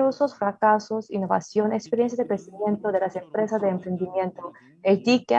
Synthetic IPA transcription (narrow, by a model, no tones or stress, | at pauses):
usosfɾakasosinːoβa̰sjonekspeɾjens̬jaðekɾesimjẽnt̪oðelasempɾesazðeːmpɾend̪imjẽnt̪o | ed̪ika